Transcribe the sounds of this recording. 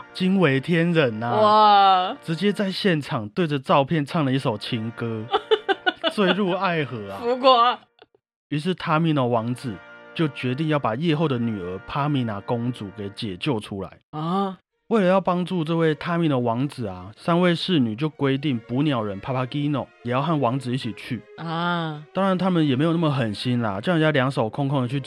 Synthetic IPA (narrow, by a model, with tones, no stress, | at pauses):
t͡ɕi˥nwe˧˥ɪt̪ʰjɛ˦nɻə˨˦na˨aʈ͡ʂɻ̩˧˥t͡ɕjɛ˥t͡sa˥˧ɪɕjɛ˥˨nʈ͡ʂʰɑ˨˩ŋt̪we˥˩ɪd͡zə˩ʈ͡ʂɑ˥˧ʊpʰjɛ˥˧nt͡sʰɑ˥˩ŋlə˩i˥˩ʂo˨˩ʊt͡ɕʰi˧˥ŋkɤ˥ | t͡swe˥˧ɪɻu˥˧a˥˩ɪxɤ˧˥a˧˦u˧˦ko˥˩˨ | y˧˥ʂ̬ɻ̩˥˩t̪ʰa˥mi˧˥˦nə˨˩wɑ˧˥ŋt͡sɹ̩˨˩t͡ɕjo˥˩ʊt͡ɕɥɛ˧˥t̪̬i˥˧ŋjɑ˥˩ʊpa˨˩jɛ˥˧xo˥˩ʊd̪ə˩ny˨˩ə˧˥pʰa˦mi˨˧˥na˧˥ko˦ŋt͡su˨˩˦ke˨˩˦ɪt͡ɕjɛ˨˩t͡ɕjo˥˩ʊʈ͡ʂʰu˦la̰˧˦ɪ˨ | we˥˩ɪlə˨˧jɑ˥˩ʊpɑ˥ŋʈ͡ʂu˥˧ʈ͡ʂɤ˥˧we˥˩ɪt̪ʰa˥mi˨˥˩d̪ə˨˩wɑ˧˥ŋd͡zɹ̩˨˩a˨˩sa˥nwe˥˧ɪʂɻ̩˥˩ny˨˩t͡ɕjo˥˩ʊkwe˥ɪt̪̬i˥˩ŋpu˧˥njɑ˨˩ʊɻə˨˦npʰa˥˧pʰa˥ki˥nɔ̰˨˩ʊjɛ˨˩jɑ˥˧ʊxa˥˩nwɑ˧˥ŋt͡sɹ̩˨i˥˩t͡ɕʰi˨˩t͡ɕʰy˥˩ | t̪ɑ˥ŋɻa˧˦nt̪ʰa˥mə˨njɛ˨˩m˧˥jna˥˩mə˩xə˨˩nɕi˦nla̰˨t͡ɕo˥˧˥ŋ˨˩ja˥˧ljɑ˧˥ŋʂo˨˩ʊkʰɔ˥˧ŋkʰo˥ŋdə˨t͡ɕʰy˥˩